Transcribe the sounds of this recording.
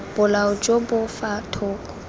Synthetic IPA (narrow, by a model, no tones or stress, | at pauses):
b̥ʊlaʊd͡ʒobʊfatʰʊːkʼ